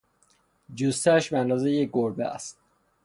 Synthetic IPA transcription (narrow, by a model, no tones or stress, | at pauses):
d͡ʒust̪æʃbæænd̪ɒːzejeɡoɾbææ̰st̪